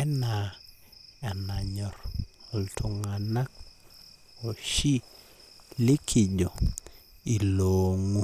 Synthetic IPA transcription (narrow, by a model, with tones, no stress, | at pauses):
ɛ˦na˨ | a˨na˨ɲɔ˨ɾltʰu˨ŋa˨na˦k̚ | o˨ʃi˦ | li˦kʰi˨ɟɔ˨ | i˨lo˨ŋu˦